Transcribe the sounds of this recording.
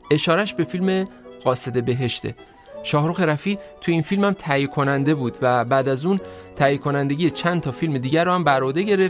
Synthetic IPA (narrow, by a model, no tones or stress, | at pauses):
ʔe̞ʃɒːɾæʃbe̞filmeɣ̥ɒːse̞d̪e̞be̞ɦe̞ʃt̪ʰḛ | ʃɒːhɾuxe̞ɾæfiːt̪ʰujeiːnfilmæmt̪ʰæjekʰo̞nænd̪e̞buːd̪væbæːd̪æzuːnt̪ʰæjekʰo̞nænd̪e̞ɟʲijet͡ʃʰænt̪ʰɒːfilme̞d̪iːɟæɾːɒhæmbæɾod̪e̞ɟe̞ɾe̞f